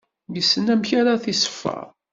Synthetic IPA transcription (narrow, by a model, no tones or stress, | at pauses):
jəsːənæmçaɾaθisə̥fːə̰